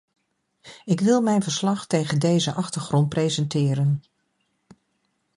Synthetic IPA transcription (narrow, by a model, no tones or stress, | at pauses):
ɪkʋɪlˠmɛjnvəɹslɑχtejχəndejzəʔɑχtəɹχrɔnt̚prejzəntɪːɾən